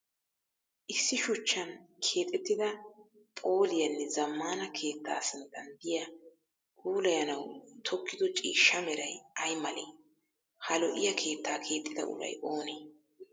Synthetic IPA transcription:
ʔɪsːɪʃʊt͡ʃːɐnkʰe̞ːt̪ʼːɛt̪ːɪd̪ɐ | pʼo̞ːlɪjɐnːɛzɐmːaːnɐkʰe̞ːt̪ːa̰ːsɪnt̪ːɐnd̪ɪjɐ | kuːlɐjɐnɐwt̪ʰɔkʰːɪd̪ɔt͡ʃʼḭːʃːɐmɛɾɐjɐjmɐleː | hɐlɔʔɪjɐkʰe̞ːt̪ːaːkʰe̞ːt̪ʼːɪd̪ɐ̰ʔʊ̰ɾɐ̰jʔo̞ːneː

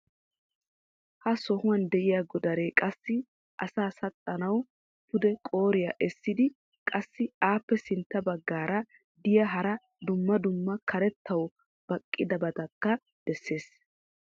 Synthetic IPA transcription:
hɐsɔhʊwɐnd̪ɛʔɪjaɡɔd̪ɐɾe̞ːkʼɐsːɪ | ʔɐsaːsɐt̪ʼːɐnɐw | pʊd̪ɛkʼoːɾɪja̰ːʔɛsːɪd̪ɪ | kʼɐsːɪaːpːɛsɪnt̪ːɐbɐɡːaːɾɐ | d̪ɪjɐɦɐɾɐ | d̪ʊmːɐd̪ʊmːɐkʰɐɾɛt̪ːɐw | b̥ɐkʼːɪd̪ɐbɐt̪ɐkːɐ | d̪̥ɛsːe̞ːs

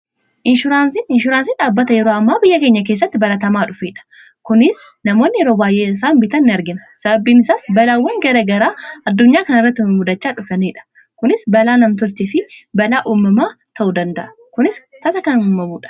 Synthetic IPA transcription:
ʔɪnʃʊɾaːnsɪnɪnʃʊɾaːnsɪnᶑaːbːɐt̪ɐjɛɾoːɐmːaːbɪjːɐkeːɲːɐk̬eːs̬ːɐt̪ːɪbɐlɐt̪ɐmaːᶑʊfeːᶑɐ̥ | kʊnɪs | nɐmo̞ːnːɪjɛɾoːbaːjʔeːɪs̬aːnbɪt̪ɐnːɪɐɾɡɪnɐsɐbɐbiːnɪsaːsbɐlaːwːɐŋɡɐɾɐɡɐɾaːʔɐd̪ːʊɲːaːkɐnɪrːɐt̪ːɪmʊd̪ɐt͡ʃːaːᶑʊfɐneːᶑɐ̥ | kʊnɪsbɐlaːnɐmt̪ʊlt͡ʃɪfɪbɐlaːʔuːmːɐmaːt̪ʰɐʔuːd̪ɐnd̪ɐʔɐ | kʊnɪst̪ɐsɐkɐnuːmːɐmuːᶑɐ̥

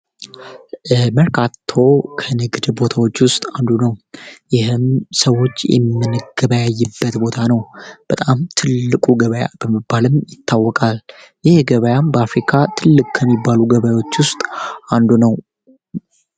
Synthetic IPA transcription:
məɾkʰat̪ʰːo̞kʰənɨɡd̪bo̞t̪ʰawo̞t͡ʃːwʊst̪ʼand̪unəwjɪhɨmsəwo̞t͡ʃːjɛ̰mːɨnɨɡ̥əβəjajːɨbːət̪bo̞t̪ʰanəwb̥ət̪ʼamt̪ʰɨlːɨkʼuɡəβəja̰b̥əmɨbːalɨmjɪt̪ʰːawːɔkʼal | jɪhɡəβəjambəafɾikʰat̪ʰɨlːɨkʼkʰːəmːibːaluɡəβajwo̞t͡ʃːwʊst̪ʼand̪unəw

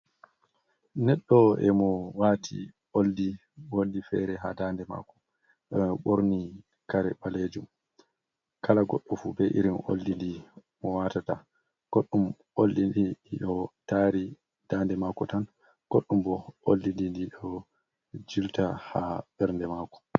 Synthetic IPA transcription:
nɛɗːɔɛ̰mɔwatʰḭ | olːi | wolːifɛɾɛɦadandɛma̰kɔ̥ | ɓoɾni | kaɾɛɓaled͡ʒum | kʰalaɡɔ̰ɗːɔfubɛʔḭɾimʔo̰lːindi | mɔwatata | ɡ̥oɗːum | ʔolːidiiɗɔtaɾi | d̥andɛmakɔtan | ɡ̥oɗːumbɔʔo̰lːindindiɗɔ | d͡ʒiltahabɛɾndɛmaːkɔ̥

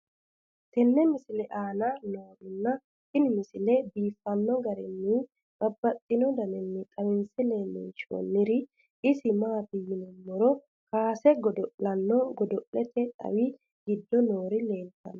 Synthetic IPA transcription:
t̪ɛnːɛmɪsɪlɛʔaːnɐnoːdʊnːɐ | tɪnɪmɪsɪlɛbiːfːɐnːɔɡɐɾɛnːɪ | bɐbːɐt̪ʼːɪnɔd̪ɐnɛnːɪt̪ʼɐwɪnsɛlenːɪ̰nʃo̰nːɪɾɪ | ɪsɪmaːbɪjɪnɔɔɾɔ | kaːsɛɡɔd̪ɔʔlɐnːɔɡɔd̪ɔʔlɛt̪ʰɛᶑɐ̰wɪ | ɡɪd̪ːɔnoːɾɪle̞ːnt̪ɐ̰n

